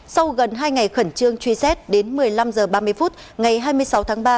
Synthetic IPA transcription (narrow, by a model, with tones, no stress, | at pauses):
sa˧wɣə˨˩nɦaː˧jŋa˨˩jxə˧˩nt͡ɕɨ˧əŋt͡ɕwi˧sɛ˦˥t̚ɗe˨˦nmɨ˨˩əjla˧mzəː˨˩ɓaː˧mɨ˧əjfu˦˥t̚ | ŋa˨˩jɦaː˧jmɨ˧əjsa˨˦wt̪ʰːŋɓaː˧